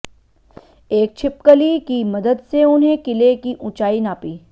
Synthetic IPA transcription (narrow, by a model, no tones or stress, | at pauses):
eːk̚t͡ʃʰɪp̚kəlikimɐd̪əd̪seʊnɦẽkɪlekiʔʊ̃t͡ʃaːinaːpiː